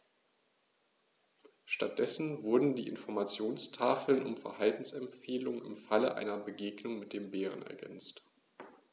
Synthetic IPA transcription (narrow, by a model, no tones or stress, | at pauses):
ʃtat̚d̥ɛsn̩vʊɐdn̩diːʔɪ̰nfɔɐmat͡sjoːnstʰaːfl̩nʊ̰mfɛɐhaltn̩sɛmfeːlʊŋnɪ̰mfaləʔa̰ɪnɐbəɡeːɡnʊŋmɪt̚d̥eːmbeːʁə̰nɛ̰ɐɡɛ̰nt͡st